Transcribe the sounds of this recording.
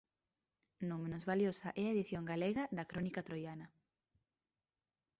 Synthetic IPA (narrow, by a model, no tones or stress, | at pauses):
nõmẽnozβaljosɐʔɛaeðiθjoŋɡaleɣɐðɐkɾɔnikat̪ɾojanɐ